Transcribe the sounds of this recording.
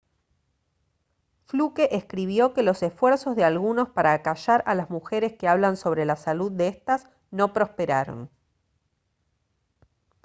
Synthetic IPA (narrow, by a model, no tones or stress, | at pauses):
flukeʔeskɾiβ̞jo̞ke̞lo̞sesfweɾso̞zðealɣuno̞spaɾaːkaʃaɾalazmuxeɾeskeaβ̞lanso̞β̞ɾe̞lasaluð̚ːeest̪as | no̞pɾo̞speɾaɾo̞̰n